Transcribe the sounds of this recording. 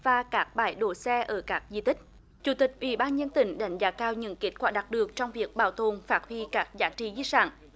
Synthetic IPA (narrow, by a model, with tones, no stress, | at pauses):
vaː˨˩kaː˦˥k̚ɓaː˧˩jɗo˧˨˩sɛ˧ʔəː˧˩kaː˦˥k̚zḭ˧˨˩t̪ï˦˥k̟̚ | t͡ɕu˧˩˦t̪ï˨˩k̟̚ʔwḭ˧˩˦ɓaː˧nɲə˧nt̪ï˧˩ŋ̟ɗa˨˧˩jŋ̟zaː˨˦kaː˧wɲə̰˧˥nke˦˥t̚kwaː˧˩ɗa˨˩t̚ɗɨ˨˩ək̚t͡ɕɔ˧wŋ͡mvi˨˩ək̚ɓaː˨˩wt̪o˨˩nfaː˦˥t̚hwi˧kaː˦˥k̚zaː˨˦t͡ɕḭ˧˩zi˧˦sa̰ː˧˩n